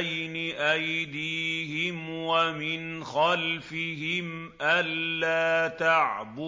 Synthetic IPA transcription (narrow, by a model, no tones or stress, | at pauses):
jnɪʔajd̪iːhɪmwamɪnxalfɪɦɪm | ʔalːaːt̪aʕbʊ